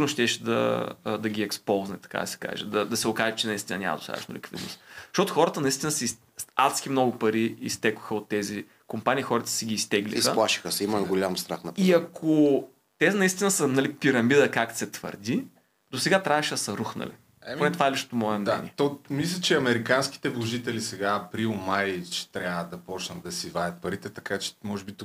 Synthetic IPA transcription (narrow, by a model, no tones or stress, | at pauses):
ɾnoʃt̪ɛʃɛd̪ɐ̰d̪ɐɡʲiɛkspɔlˠznɛ̰t̪ɐ̥ka̰d̪ɐsɛ̥ka̰ʒɛ̰d̪ɐd̪ɐsɛokaʒɛt͡ʃɛnɐist̪inə̰nʲa̰mɐ̰d̪o̥̰st̪a̰v̰ʃnʊ̰lʲḭkv̥id̪no̰st̪ʃtɔt̪ʊxɔɾət̪ənɐist̪inəsɛs | at̪sk̟imnɔɡʊpɐɾiḭst̪ɛkʊ̥xəot̪ːɛzi | kompanʲiːxɔɾət̪ə̥sɛɡʲiːst̪ɛɡlḭsxəplˠaʃi̥xəsɛimɐɡolʲamst̪ɾa̰xnɐpiɐkʰo | t̪ɛzinɐist̪inəsənɐlipiɾɐmid̪əkak̪sɛt̪v̥ə̰ɾd̪ʲi | d̪osɛɡat̪ɾʲʔavɐʃɛd̪ɐsɐɾuxnɐ̰lḭ | onɛt̪ovaɛliʃt̪o̥t̪omɔɛmnɛ̰nʲɛ̰t̪ɔmislʲɐt͡ʃɛɐmɛɾikansk̟i̥t̪ɛvlˠoʒit̪ɛlisɛɡaːpɾilˠmajt͡ʃɛ̥t̪ɾʲavəd̪ɐpɔt͡ʃnɐt̪̚d̪ɐsivajɐt̪̚pɐɾit̪ɛt̪ɐkat͡ʃɛ̥mɔʒɛbit̪u